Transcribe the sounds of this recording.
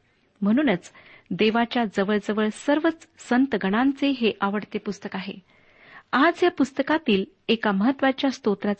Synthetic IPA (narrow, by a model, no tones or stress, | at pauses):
m̤əɽ̃uːnət͡sd̪eʋat͡ɕjad͡zəʋəɭd͡zəʋəɭsəɾʋət͡ssənt̪əɡʱəɽ̃ant͡seɦeʔaʋəɽt̪epust̪əkaɦḛ | ad͡zjapust̪əkat̪iːl | ekaməɦət̪ːʋat͡ɕjast̪ot̪ɾat͡s